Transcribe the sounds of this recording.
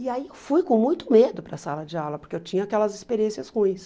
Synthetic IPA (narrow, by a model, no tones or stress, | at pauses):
iaiewfujkõmũj̃t̪ʊmed̪ʊpɾɐsalɐd͡ʒɪawlɐpoɾkeewt͡ʃĩɲʊakɛlɐzispeɾiẽsjɐshũĩj̃s